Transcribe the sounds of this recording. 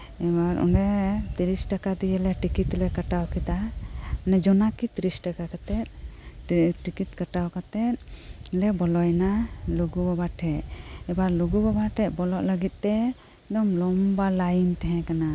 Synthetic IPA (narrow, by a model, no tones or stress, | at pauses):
ɛbaɾɔ̰ɳɖɛt̪iɾisʈakad̪ijɛlɛʈikit̪lɛkaʈawkit̪anɛd͡ʒɔnakit̪iɾisʈakakat̪ɛt̪̚ | ʈikit̪̚kaʈawkat̪ɛt̪̚lɛbɔlɔjnaluɡubabaʈʰɛt̪̚ɛbaɾluɡubabaʈʰɛt̪̚ˀbɔlɔʔləɡit̪̚ˀt̪ɛ | ɖɔmlɔmbalajnt̪ɛɦɛ̃kana